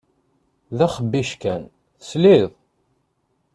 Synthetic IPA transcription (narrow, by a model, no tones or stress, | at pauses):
ðæχəbːiʃkæn | θəsliðˤ